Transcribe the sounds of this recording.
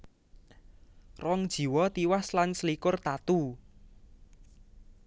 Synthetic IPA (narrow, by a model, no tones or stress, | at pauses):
rɔŋd̥ʒ̥i̤wɔt̪iwaslansəlikʊrt̪at̪u